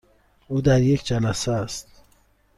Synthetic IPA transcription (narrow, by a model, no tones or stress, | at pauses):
uːd̪æɾjekʰd͡ʒænæsæst̪̚